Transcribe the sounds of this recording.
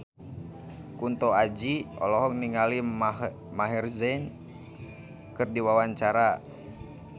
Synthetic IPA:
kunt̪ɔad͡ʒiɔ̰lɔɦɔŋ̚niŋali | maɦirzɛn | kɨrdiwawaɲt͡ʃaɾa

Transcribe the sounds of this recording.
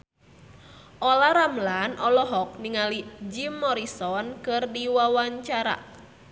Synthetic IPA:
ʔɔlaɾamlanʔɔlɔɦɔk̚niŋalid͡ʒimːɔɾisɔnkɨrdiwawaɲt͡ʃaɾa̰

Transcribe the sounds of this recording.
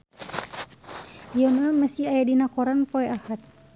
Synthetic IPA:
ijɔnaməsiajadinakɔɾanpoɛahat̪̚

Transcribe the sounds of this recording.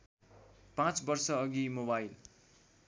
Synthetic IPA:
pãt͡sbʌrsʌːɡimobajl

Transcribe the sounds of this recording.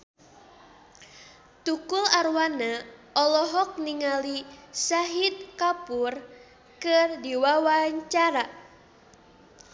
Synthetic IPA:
t̪ukʊlarwanaɔlɔɦɔk̚niŋalisaɦit̪̚kapur | kɨrdiwawaɲt͡ʃaɾa

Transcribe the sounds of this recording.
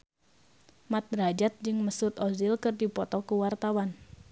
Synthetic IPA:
mat̪̚rad͡ʒat̪̚d͡ʒɨŋməsut̪ɔzɪlkɨrdipɔt̪ɔkuwart̪awan

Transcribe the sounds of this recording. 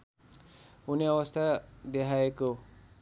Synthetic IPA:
uniʌwʌst̪ʰad̪ekʰaeko

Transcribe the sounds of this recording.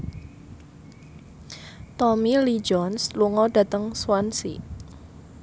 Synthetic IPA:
t̪ɔmilid͡ʒɔnsluŋɔda̤t̪əŋswansḭ

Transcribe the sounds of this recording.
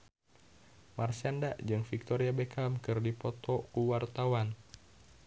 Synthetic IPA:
marsiandaʔd͡ʒɨŋfik̚t̪ɔɾiabekʰamkɨrdipɔt̪ɔkuwart̪awan

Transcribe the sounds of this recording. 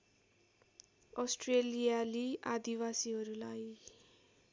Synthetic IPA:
ʌsʈrelijaliad̪iwasiɦʌɾulaj

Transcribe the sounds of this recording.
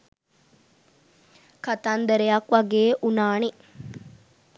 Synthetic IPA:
kɐt̪and̪ɐɾejɐkʋɐɡeːʔunaːni

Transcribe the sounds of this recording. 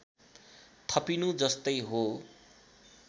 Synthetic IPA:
t̪ʰʌpinud͡zʌst̪ʌjɦo

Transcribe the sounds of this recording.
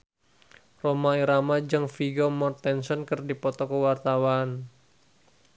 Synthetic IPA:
romaiɾamad͡ʒəŋfiɡomɔrt̪ɛnsɔnkɨrdipɔt̪ɔkəwart̪awan

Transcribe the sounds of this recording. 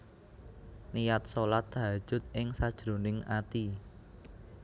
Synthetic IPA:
nijat̪̚solat̪̚a̤̥ʒ̥ʊ̤t̪̚ʔɪŋsad̥ʒ̥ɾo̤nɪŋa̰t̪i

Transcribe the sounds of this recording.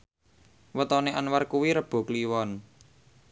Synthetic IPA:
wət̪ɔneʔanwarkuwiɾəb̥o̤kliwɔn

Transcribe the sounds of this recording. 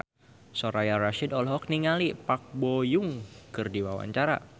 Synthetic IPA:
sɔɾajaɾaʃidɔlɦɔk̚niŋalipak̚bojʊŋkɨrdiwawa̰ɲt͡ʃaɾa̰

